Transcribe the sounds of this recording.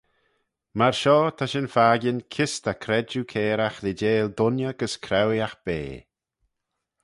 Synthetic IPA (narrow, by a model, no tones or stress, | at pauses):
maɹʃɔːt̪ʰaʃɪnfaːɡɪnkʰɪst̪akʰɾɛd͡ʒukʰɛːɾaxlɪd͡ʒeːld̪ʊnjəɡ̥əskʰɾɛwjaxb̥ḛː